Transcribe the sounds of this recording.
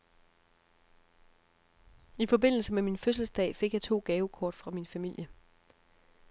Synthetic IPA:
ifɒ̽be̝n̰l̩səmeminføsl̩sd̥ɛ̰ːɪfe̝ɡ̥jɑɪt͡sʰo̝̰ːɡ̥ɛːʊkʰɒːd̥fʁɑ̈minfæmil̰jə

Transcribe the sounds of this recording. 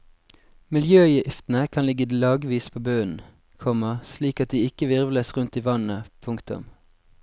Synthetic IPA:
mɪljøːjɪft̪n̩əkʰɑnlɪɡəlɑːɡʋiːspʰoːbøːən | kʰɔməʁsliːkɑt̪̚d̪iːɪkəʋɪʁʋləsʁʉnt̪iːʋɑnəpʰʊŋkt̪ʊ̰m

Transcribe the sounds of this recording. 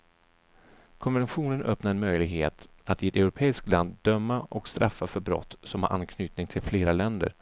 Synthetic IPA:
kʰɔnvɛnɧuːnənʔœpnaɾɛnmœjlɪɡhḛːt̪ | at̪ɪɛt̪ɛʊɾʊpʰeːɪskt̪land̪ːœmːaʔɔkst̪ɾʔafːafœɾbɾɔ̰t̪ːsɔmha̰ɾʔa̰nkʰnyːt̪nɪŋt̪ʰɪlfleːɾalɛnd̪ə̰ɾ

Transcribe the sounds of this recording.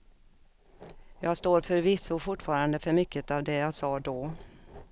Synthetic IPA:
jɑːɡst̪oːɾfœɾvɪsːʊfʊʈːfɑːɾand̪əfœɾmʏkːət̪avd̪ɛjɑːsɑːd̪ɔ

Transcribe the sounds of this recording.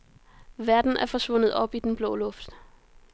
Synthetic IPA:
ʋæɐd̥n̩æɐfɒ̽sʋɔ̽n̰ð̩ˠɒ̽b̥id̥enb̥lɔ̰̽ːlɔfd̥

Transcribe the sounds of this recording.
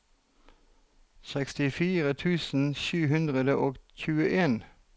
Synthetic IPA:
sɛkst̪ɪfiːʁət̪ʰʉːsn̩ʃʉːɦʉnd̪ʁəd̪əʔoːɡçʉːəʔeːn

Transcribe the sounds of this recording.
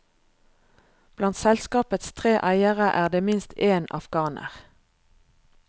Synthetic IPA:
b̥lɑnt̪sɛlskɑːpət̪st̪ʰʁeːʔæɪəʁəʔæːʁd̪eːmɪnst̪ʰeːnɑ̰fɡɑːnə̰ʁ

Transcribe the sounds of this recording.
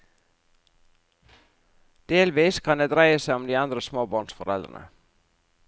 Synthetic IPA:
d̪̥eːlʋiskʰand̪ɛd̪ɾaːjasɛɔmd̪iand̪ɾəsmoːbɔnsfɔɾɛ̰ld̪ɾə̰na̰

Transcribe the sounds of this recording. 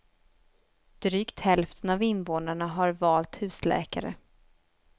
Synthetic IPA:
d̪̥ɾyːkt̪hɛlft̪ʰənavɪnvoːnaɳaɦaɾvɑːlt̪hʉ̟ːslɛ̰ːka̰ɾə̰

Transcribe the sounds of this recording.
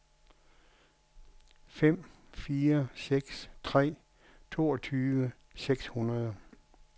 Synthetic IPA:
fem̰ | fiːɐseɡ̥st͡sʰʁɛ̰ː | t͡sʰo̝ːɒt͡sʰyːʋə | seɡ̥shunɐðˠ

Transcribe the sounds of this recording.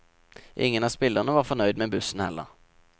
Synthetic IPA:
ʔɪ̰ŋːənɑspɪlːəʁnəvɑʁfɔɳœʏd̪mɛbʉsːənhɛ̰lːə̰ʁ

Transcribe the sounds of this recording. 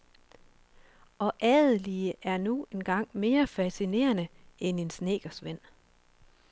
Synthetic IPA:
ʔɒ̽ʔɛːðˠəliəʔæɐnuenɡ̥ɑ̈ŋ̰me̝ːɐfæsine̝̰ːɐnəene̝nsne̝̰ːɡ̥ɐsʋen̰

